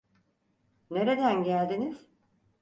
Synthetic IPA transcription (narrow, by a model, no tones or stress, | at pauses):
ne̞ɾe̞d̪ænɟælʲd̪iniz̥